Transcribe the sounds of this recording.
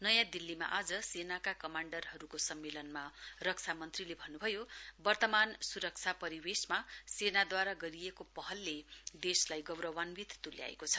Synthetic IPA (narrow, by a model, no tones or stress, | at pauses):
nʌjãd̪ilːima̰ʔad͡zʌsenakakʌmaɳɖʌrɦʌɾukosʌmːelʌnmarʌk̚t͡sʰamʌnt̪rilebʱʌnːubʱʌjobʌrt̪ʌmansuɾʌk̚t͡sʰapʌɾiwesmasenad̪waɾaɡʌɾijekopʌɦʌlːed̪eslajɡʌwɾʌwanbit̪t̪ulja̰ḛkot͡sʰʌ̥